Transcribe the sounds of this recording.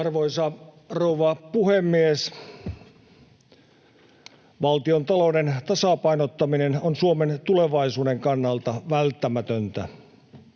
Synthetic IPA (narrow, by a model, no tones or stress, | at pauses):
ɑrʋoisɑ | rouʋɑpuhemːies | ʋɑlt̪iont̪ɑloudent̪ɑsɑpɑinot̪ːɑminenonsuoment̪uleʋɑisuːdeŋkɑnːɑlt̪ɑʋælt̪ːæmæt̪ønt̪æ̰